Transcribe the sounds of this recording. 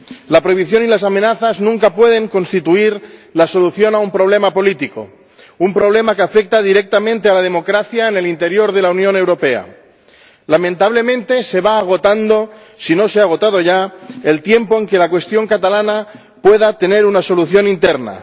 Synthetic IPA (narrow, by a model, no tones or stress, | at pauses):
lapɾo̞jβiθjo̞nilasamẽ̞naθaznũŋkapwe̞ð̞e̞ŋko̞nst̪it̪uiɾlaso̞luθjo̞naumpɾo̞β̞le̞mapo̞lit̪iko̞̰ | umpɾo̞β̞le̞makeafe̞k̚t̪aðiɾe̞k̚t̪amẽnt̪ealað̞e̞mo̞kɾaθjaene̞lint̪e̞ɾjo̞ɾð̞e̞launjõ̞ne̞wɾo̞pe̞a̰ | lamẽ̞nt̪aβ̞le̞mẽ̞nt̪e̞se̞βaːɣ̞o̞t̪and̪o̞ | sino̞seaɣ̞o̞t̪aðo̞ʝae̞lt̪je̞mpo̞e̞ŋke̞lakwe̞st̪jo̞ŋkat̪alana | pwe̞ðat̪e̞ne̞ɾunaso̞luθjo̞nint̪e̞ɾna̰